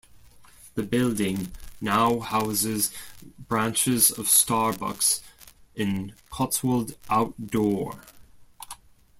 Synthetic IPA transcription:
ðəbɪlˠdɪ̃ŋnaʊhaʊzɪzbɹãnt͡ʃɪzəv̥stɑɹbʌ̰ksɪ̃nkʰɒtswəlˠdʔaʊtd̥ɔɹ

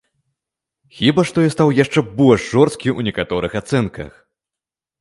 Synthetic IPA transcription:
xʲibaʂt̪ɔjast̪awjaʂt͡ʂɛbɔlʲʂʐɔrst̪̚kʲiʔunʲɛkat̪ɔɾɨxat̪sɛnkɐ̰x

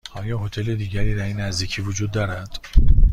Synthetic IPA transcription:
ɒːjɒːɦo̞t̪ʰe̞led̪iːɟæɾiːɾæjinæzd̪iːcʰiːvod͡ʒuːd̪ːɒːɾæd̪̥

